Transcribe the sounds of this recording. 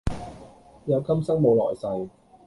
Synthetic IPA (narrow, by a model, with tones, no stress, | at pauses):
jɐ˨˧wkʰɐ˥msɐ˥ŋmo˨˧wlɔ̰ː˨˩jsɐ˨w